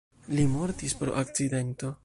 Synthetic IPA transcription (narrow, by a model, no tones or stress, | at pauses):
limo̞ɾtispɾo̞̰ʔak̚t͡side̞nto̞